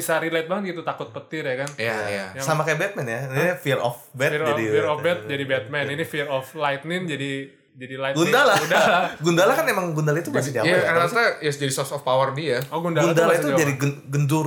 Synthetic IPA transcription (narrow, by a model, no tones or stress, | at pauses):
bisaɾilajt̪baŋət̪̚ɡit̪ut̪akʊt̪̚pət̪ɪrjakanjajassamakajabɛt̪̚mɛnjaniafiɾɔfbɛt̪d͡ʒadiiɾɔfbɛt̪̚d͡ʒadibɛt̪̚mɛninifiɾɔflajt̪̚nɪnd͡ʒadi | d͡ʒadilajɡundalaundalaɡundalakanemaŋɡundalait̪ubasɛd͡ʒajaaasaajɛsd͡ʒadisɔsɔfpawərdiaɔɡundaɡundalait̪ud͡ʒadiɡəɡənd̪ʊr